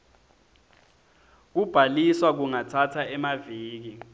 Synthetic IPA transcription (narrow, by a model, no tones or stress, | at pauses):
k̬ub̥ʱaliswak̬uŋatʰatʰaɛmaviːk̬i